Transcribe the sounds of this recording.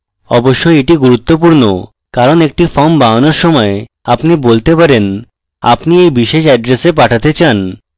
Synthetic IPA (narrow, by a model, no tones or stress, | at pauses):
ɔboʃːoeʈiɡuɾut̪ːop̬uɾno̰ | kaɾonek̚ʈifɔmbaonoɾʃɔmɔe | apnibolt̪epaɾen | a̰pniejbiʃeʃɛɖɾesep̬aʈʰat̪et͡ɕan